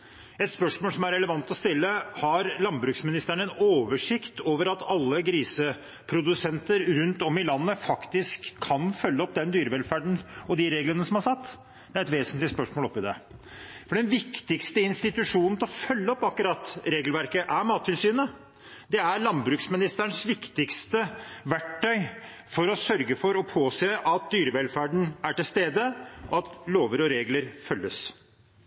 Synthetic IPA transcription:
ɛt̪spœʂmoːlsɔmæɾɛləʋɑnt̪ɔst̪ɪlːəhɑɾlɑnbɾʉːksmɪnɪst̪əɳəɛnoːʋəʂɪkt̪oːʋəɾɑt̪ɑlːəɡɾiːsə | pʰɾʊd̪ʉsɛnt̪əɾɾʉnt̪ɔmɪlɑnːəfɑkt̪ɪskʰːɑnfœlːəɔp̚d̪ɛnd̪yːɾəʋɛlfæːɖɳ̩ɔd̪ɪɾeːɡlənəsɔmhɑsɑt̪ː | d̪̥ɛæɾɛt̪ʋeːsənt̪lɪəspœʂmoːlɔpːɪd̪ɛ̰ | fɔɖɛnʋɪkt̪ɪkst̪əɪnst̪ɪt̪ʉʂuːnnt̪ɪlɔfœlːəɔpːɑkʊɾɑt̪ːɾeːɡlʋæɾkəʔæɾmɑːt̪ʰːɪlsyːnə | d̪ɛæɾɭɑnbɾʉːksmɪnɪst̪əɳsʋɪkt̪ɪkst̪əʋæʈʰːœʏ | fɔɾɔsœɾɡəfɔɾɔpʰoːseːʔɑt̪̚d̪yːɾəʋɛlfæːɖɳ̩æʈɪlst̪eːd̪əʔɔɑt̪loːʋəɾɔɾeːɡləɾfœlːəs

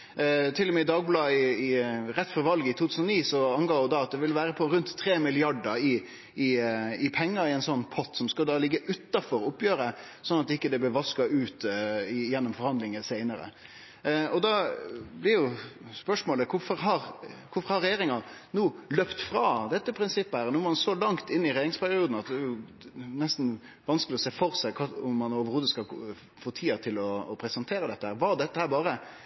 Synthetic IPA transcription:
t̪ʰɪlːɔmɛɪd̪ɑːɡ̚blɑːɪɪɾɛt̪ːfɔɾʋɑlɡɪt̪ʰuːt̪ʰʉːənɔniːsɔɑŋɡɑːɔd̪ɑɑt̪̚d̪ɛʋɪlʋæːɾəpʰɔɾʉnt̪ʰːɾeːmɪlɪɑɖəɾɪ | ɪɪpʰɛŋːəɾɪɛnsɔnːpʰɔt̪sɔmskɑd̪ɑːlɪɡːəʔʉt̪ːɑfɔɾʊpːjøːɾə | sɔnːɑt̪̚ɪkːəd̪ɛblɛʋɑskɑʉːt̪ɪjɛnːʊmfɔɾhɑnd̪lɪŋəsæɪnəɾə̰ | ɔd̪ɑblɪɾjʊspœʂmoːləkʰʊfɔɾɦɑɾkʰʊfɔɾhɑɾɛjeːɾɪŋɑnuːløpt̪fɾɑːd̪ɛt̪ːəpʰɾɪnsɪpːəhæːɾnuːmɔmɑnsolɑŋt̪ɪnːɪɾɛjeːɾɪŋspʰæɾɪuːd̪n̩ɑt̪̚d̪ɛːjʊ | nɛst̪n̩ | ʋɑnskəlɪɔseːfɔɾsæɪkʰɑʊmːɑnoːʋəɾhuːd̪əskɑ | foːt̪ʰiːɑt̪ʰɪlɔːpʰɾɛsɛnt̪ʰeːɾəd̪ɛt̪ːəhæːɾʋɑd̪ɛt̪ːəhæːɾbɑːɾə

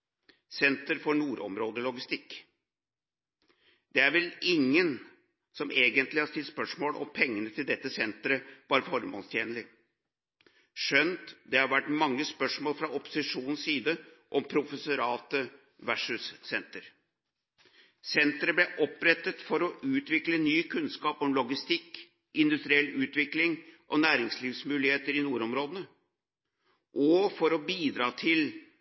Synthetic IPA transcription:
sɛnt̪əɾfɔɳuːɾɔ̰mɾoːd̪əlɔɡɪst̪ɪkː | d̪̥ɛæɾʋɛlɪŋːən | sɔmeːɡənt̪lɪhɑst̪ɪt̪spœʂmoːlɔ̰mpʰɛŋːənət̪ʰɪld̪ɛt̪ːəsɛnt̪ɾəb̥ɑːɾəfɔɾmo̰ːnst̪ʰjeːnəlɪ | ʂœnt̪d̪ɛhɑɾʋæʈmɑŋːəspœʂmoːlfɾɑɔpʊ̥sɪʂuːnn̩ssiːd̪əʔɔmpʰɾʊfəsʊɾɑːt̪ə | ʋæʂʉsːɛnt̪əɾ | sɛnt̪əɾəblɛʔɔpɾɛt̪ːət̪fɔɾɔʉːt̪ʋɪklənyːkʰʉnskɑːpɔmlɔɡɪst̪ɪkː | ʔɪnd̪ʉst̪ɾɪɛlːʉːt̪ʋɪklɪŋʔɔnæːɾɪŋsliːʋsmʉːlɪheːt̪əɾɪnuːɾɔmɾoːd̪ənə | ʔɔfɔɾɔbiːd̪ɾɑːt̪ʰɪl

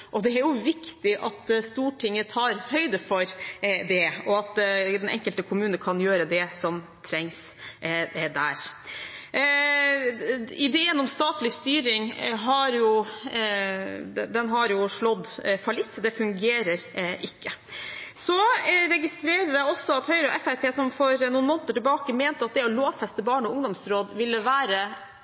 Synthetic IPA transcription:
ʔɔd̪ɛæɾjʊʋɪkt̪ɪʔɑt̪st̪uːʈʰɪŋːət̪ʰɑːɾhœʏd̪əfɔɾd̪ɛɔɑt̪d̪ɛnɛ̰ŋkəlt̪əkʰʊmʉːnəkʰɑnjøːɾəd̪ɛsɔm | t̪ʰɾɛŋs | d̪æːɾ | ɪd̪eːənɔmst̪ɑːt̪lɪst̪yːɾɪŋɦɑɾjʊ | d̪ɛnɦɑɾjʊʂɭɔd̪ːfɑlɪt̪ːd̪ɛfʉŋɡeːɾəɾʔɪkːə | sɔɾɛɡɪst̪ɾeːɾəɖ̪ɛɔsːɔɑt̪hœʏɾəɔʔɛfæɾpʰeːsɔmfɔɾnuːnmoːnət̪əʈɪlbɑːkəmeːnt̪əɑt̪̚d̪ɛɔloːʋfɛst̪əbɑːɳɔʊŋd̪ɔmsɾoːd̪ʋɪlːəʋæːɾə

